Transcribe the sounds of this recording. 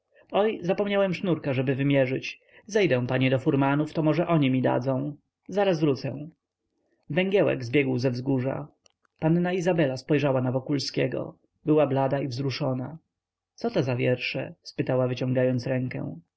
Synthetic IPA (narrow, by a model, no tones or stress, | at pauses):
ɔjzapɔmɲawɛmʂnuɾkaʐɛbɘvɘmʲjɛʐɘt͡ɕ | zɛjd̪ɛ̃w̃paɲɛd̪ɔfuɾmanuft̪ɔmɔʐɛʔɔɲimʲid̪a̰d̪zɔ̃w̃ | zaɾasvɾut̪sɛ̰̃ | vɛŋɡʲjɛwɛ̰ɡzbʲjɛɡwzɛvzɡuʐa̰ | panːaizabɛlaspɔjʐawanavɔkulskʲɛɡɔ̰ | bɘwablad̪aivzɾuʂɔna | t̪sɔt̪ɔzavʲjɛɾʂɛ̰spɘt̪awavɘt͡ɕɔ̃ŋɡajɔnt̪sɾɛŋkɛ̰̃